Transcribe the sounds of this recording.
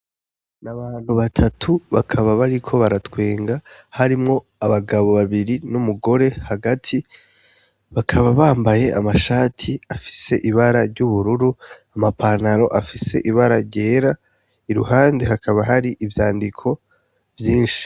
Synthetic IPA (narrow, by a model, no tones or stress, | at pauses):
naβaːn̥huβatʰatʰuβa̰kʰaβaβaɾikʰo̞βaɾatwe̞ːŋɡahaɾimŋo̞ | aβaɡaβo̞βaβiɾinumuɡo̞ɾe̞haɡatʰi | βakʰaβaβaːmbaje̞ʔamaʃaːtʰiafi̥se̞ʔiβaɾaɾɟuβuɾuɾuamapʰaːnaɾo̞ʔafise̞̰ʔiβaɾaɾɟe̞ːɾa | iɾṵhaːnde̞hakʰaβaɦaɾiʔivjaːndikʰo̞ | vjiːnʃi̥